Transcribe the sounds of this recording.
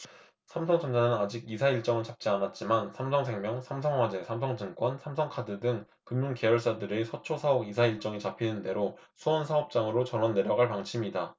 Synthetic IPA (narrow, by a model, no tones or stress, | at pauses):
sʰamsʰʌŋd͡ʑʰʌnd͡ʑanɯnad͡ʑiɡisʰaiɭt͡ɕ͈ʌŋɯɭt͡ɕap̚t͡ɕ͈ianat̚t͡ɕ͈imansʰamsʰʌŋsʰe̞ŋmjʌŋsʰams̬ʰʌŋɦwad͡ʑe̞sʰamsʰʌŋd͡ʑɯŋk͈wʌnsʰamsʰʌŋkʰadɯdɯŋ | kɯnːunke̞jʌɭs͈adɯɾesʰʌt͡ɕʰosʰaʌɡisʰaiɭt͡ɕ͈ʌŋit͡ɕapʰinɯnde̞ɾo | sʰuʌnsʰaʌp̚t͡ɕ͈aŋɯɾot͡ɕʌnʌnːe̞ɾjʌɡaɭpaŋt͡ɕʰimida